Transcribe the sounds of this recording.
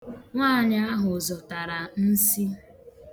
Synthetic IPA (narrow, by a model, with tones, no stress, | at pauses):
ŋʷaː˦˨ɲa˦a˦ɦʊ˨zɔ˨ta˨ɾa˨n̩˦si˦